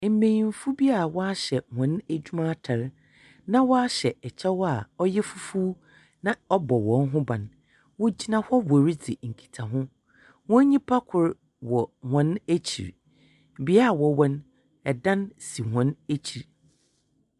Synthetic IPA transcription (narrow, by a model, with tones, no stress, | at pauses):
m̩˨˦mẽ˨jĩ˨m̩˦fu˦bi˦a˦˨wɔ˦a˦ɕɛ˨hɔ̃˨˦næ˨d͡ʑᶣu˦mã˦tʰa˨ɾ | nã˦wɔ˦a˦ɕɛ˨ɛ˨t͡ɕʰɛ˦wɔ˦a˨ɔ˦jɛ˦fu˦fu˦ | nã˦ɔ˦bɔ˨wɔ̃˨nɦʊ̃˦bã˨n | wɔ˦d͡ʑi˦nã˨hɔ˦wɔ˨ɾi˦d͡zɪ˨ŋ̩˨kʰi̥˨tʰa˨ɦʊ̃˦ | wɔ̃˦ɲĩ˦pʰa˦kʰʊ˨ɾ | wɔ˨hɔ̃˨˦næ˦t͡ɕʰḭ˨ɾ | bi˦a˦˨wɔ˨wɔ̃˦n | ɛ˨dã˦nsi˨hɔ̃˨˦næ˦t͡ɕʰi˨ɾ